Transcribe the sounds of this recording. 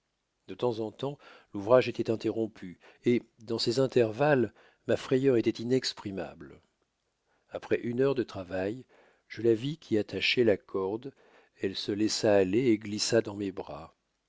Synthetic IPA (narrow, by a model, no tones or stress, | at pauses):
d̪ət̪ɑ̃zɑ̃t̪ɑ̃luvʁaʒet̪ɛt̪ɛ̃t̪eʁɔ̃pʰy | e | d̪ɑ̃sɛzɛ̃t̪ɛʁval | mafχɛjœʁet̪ɛt̪inɛkspχima̰bl | apχɛʔynœʁd̪ət̪χavaj | ʒ̥əlavikʰʲiat̪ʰaʃɛlakʰɔʁd̪ | ɛlsəlɛsaːleːɡlisad̪ɑ̃mebʁa̰